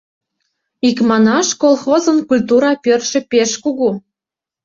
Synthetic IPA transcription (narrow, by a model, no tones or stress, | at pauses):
ikmɑnɑʃkolˠxozənkulʲt̪uɾɑpørʃĕpeʃkuɣu